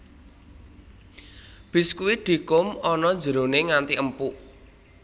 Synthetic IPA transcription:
b̥i̤skuwiɖ̪̥i̤kʊmɔnɔnd͡ʒə̤ɾoneŋant̪iʔəmpuʔ

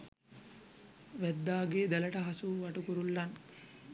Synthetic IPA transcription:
ʋæd̪ːaːɡeːd̪ɛlɐʈɐɦɐsuʋɐʈukuɾulːɐn

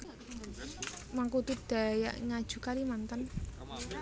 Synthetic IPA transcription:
maŋkut̪ud̪̥a̤ja̰ʔŋad̥ʒ̥ṳkaɾimant̪ən

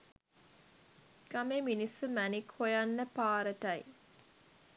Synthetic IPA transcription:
kameminisəmænikhojanːəpaːɾəʈaj

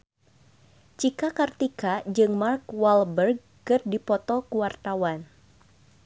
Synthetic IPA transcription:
t͡ʃikakart̪ikad͡ʒɨŋmarkwalbərɡ̚ | kɨrdipɔt̪ɔkuwart̪awan

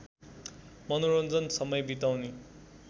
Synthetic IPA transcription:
mʌnoɾond͡zʌnsʌmʌjbit̪awni

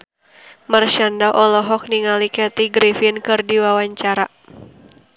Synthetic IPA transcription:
mərʃandaʔɔlɔɦɔk̚niŋalikɛt̪iɡɾifinkɨrdiwawaɲt͡ʃaɾa

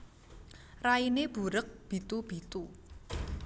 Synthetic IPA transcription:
raineb̥ṳɾək̚b̥i̤t̪ub̥i̤t̪u

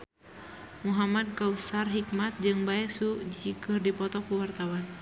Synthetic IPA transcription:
muɦamad̪̚kausarɦikmat̪̚d͡ʒɨŋbaɛsud͡ʒikɨrdipɔt̪ɔkuwart̪awan

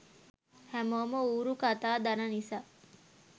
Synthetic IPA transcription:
hæmomɐuːɾukɐt̪aːd̪ɐnɐnisa

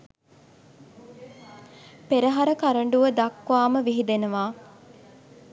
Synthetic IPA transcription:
peɾəɦaɾəkaɾəɳɖuʋəd̪akʋaːməʋiɦid̪enuʋaː

